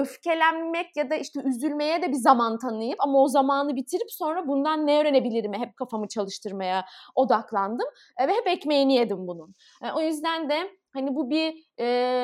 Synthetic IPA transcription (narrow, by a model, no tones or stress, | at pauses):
øfcʰe̞lʲænːɛcjad̪aiʃt̪ʰɛyzylʲme̞jɛd̪ɛbizamant̪ʰanɯjɯpamao̞zamaːnɯbit̪ʰiɾipso̞nɾabund̪anːeøɾenebilʲiɾimɦɛp̚kʰafamɯt͡ʃʰalˠɯʃt̪ʰɯɾmajao̞d̪aklˠand̪ɯm | vɛɦɛpɛcmejinijed̪imbunun | ʔo̞jyzd̪ænd̪ɛ | hanibubiː